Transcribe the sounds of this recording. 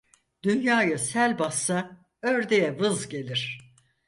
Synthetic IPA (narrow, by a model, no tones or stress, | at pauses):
d̪̥ynjaːjɯsælʲbasːa | øɾd̪ejɛvɯzɟe̞lʲiɾ̥